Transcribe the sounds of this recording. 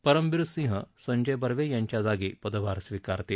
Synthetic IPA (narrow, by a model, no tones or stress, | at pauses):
pəɾəmʋiɾsĩɦəsəɲd͡ʑəjbəɾʋejãɲt͡ɕjad͡zaɡiːpəd̪əʋaɾsʋikaɾt̪e